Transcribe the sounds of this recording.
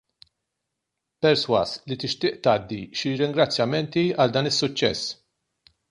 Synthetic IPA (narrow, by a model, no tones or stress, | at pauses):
pɛɾswɐslit̪ɪʃt̪ɪːʔt̪ɐːd̪ːiʃiɾɪŋɡɾɐt͡sːjɐmɛnt̪iɐld̪ɐːnɪsːʊt͡ʃːɛ̰sː